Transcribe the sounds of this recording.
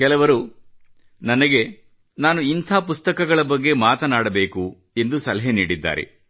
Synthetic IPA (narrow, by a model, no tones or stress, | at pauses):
kɛlɐʋɐɾu | nɐnɐɡe̞ | naːnuint̪ʰaːpust̪ɐkɐɡɐɭɐbɐɡːe̞maːt̪ɐnaːɽɐbe̞ːku | e̞nd̪usɐlɐɦeniːɽid̪ːa̰ːɾḛ